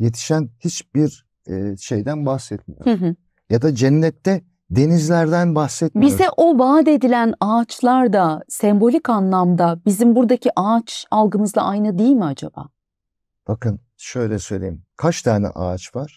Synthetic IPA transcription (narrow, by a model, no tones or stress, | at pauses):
je̞t̪ʰi̥ʃænhit͡ʃbiɾ | ɛːʃe̞jd̪ænbaxsɛt̪̚mḭjoɾɦɯ | jad̪ad͡ʒɛnːɛt̪ʰːɛ | d̪e̞nizlʲæɾd̪ænbaxsɛt̪̚ibioɛʔo̞baːd̪e̞d̪ilʲænat͡ʃlˠaɾd̪asɛmbo̞lʲikanlˠamd̪abizimbuɾd̪aciʔat͡ʃalˠɡɯmɯzlˠaʔajnɯd̪iilʲmiad͡ʒaba̰ː | b̥akɯn | ʃø̞jlʲɛsø̞jlʲḛjimkʰat͡ʃt̪ʰaːnɛ̰ʔa̰ːt͡ʃvaɾ̥